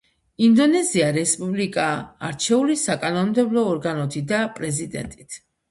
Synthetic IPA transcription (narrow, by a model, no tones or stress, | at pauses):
ind̪ɔnɛziaɾɛspʼublikʼa̰ːɾt͡ʃʰɛulisakʼanɔnmd̪ɛblˠɔːɾɡanɔt̪ʰid̪apʼɾɛzid̪ɛ̰nt̪ʼit̪ʰ